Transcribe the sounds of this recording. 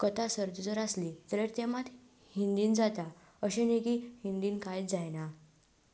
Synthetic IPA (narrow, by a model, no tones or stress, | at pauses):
kət̪asəɾd̪ud͡zəɾaslit̪əɾəɾt̪emat̪ | hind̪iːnd͡zat̪a | əɕẽneɡihind̪iːnkajd͡zajna